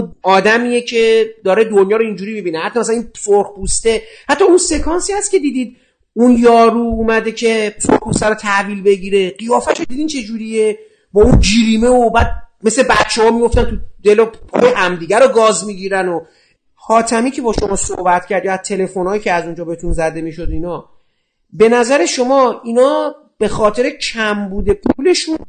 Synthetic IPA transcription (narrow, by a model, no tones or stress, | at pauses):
ɒːd̪æmiːjecʰe̞d̪ɒːɾed̪onjɒːɾoind͡ʒuɾiːmibinehæt̪ːɒmæsælænipsoɾxpust̪e̞hæt̪ʰːɒunse̞kʰɒːnsihæscʰʲe̞d̪iːd̪iːd̪ | unjɒːɾuːmæd̪e̞cʰe̞soɾχpust̪æɾot̪ʰæhviːlbe̞ɡiːɾe̞ɢijɒːfæʃod̪id̪iːnt͡ʃʰe̞d͡ʒuːɾije | bɒːund͡ʒiːɾiːme̞obæːd̪̚me̞sle̞bæt̪t͡ʃʰːehɒːmiɡo̞ft̪ænt̪ʰud̪e̞lopʰɒ̰ːjehæmd̪iːɟæɾoɡɒːzmiːɟiːɾæno | xɒːt̪ʰæmiːcʰe̞bɒːʃo̞mɒːso̰hbæt̪cʰæɾd̪jɒæzt̪ʰe̞le̞fo̞nhɒːjiːcʰeæzund͡ʒɒːbeet̪unzæd̪e̞miʃo̞d̪iːnɒ | be̞næzæɾe̞ʃo̞mɒːinɒː | b̥e̞xɒːt̪ʰe̞ɾe̞cʰæmbuːd̪e̞pʰule̞ʃun